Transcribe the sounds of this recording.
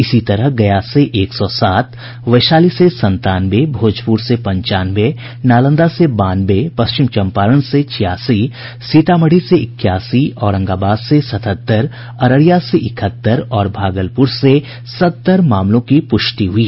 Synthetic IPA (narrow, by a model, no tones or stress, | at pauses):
ɪsit̪ɐɾəɦɡɐjaseʔeːksɔːsaːt̪ | ʋɐɪʃaːlisesɐ̃nt̪aːnbebʱoːd͡ʒpuɾsepɐ̃ɲt͡ʃaːnʋe | naːlə̃nd̪asebaːnbepɐst͡ʃɪmt͡ʃɐ̃mpaːɾəɽset͡ʃʰɪjaːsi | siːt̪aːməɽiseɪkːjaːsiɔːɾɐ̃ŋɡaːbaːd̪sesɐt̪ʰət̪ːəɾ | ɐɾəɽijaseʔɪkʰət̪ːəɾɔːɾbʱaːɡəlpʊɾse | sɐtt̪ːəɾmaːmlõkipʊʃʈiɦʊiː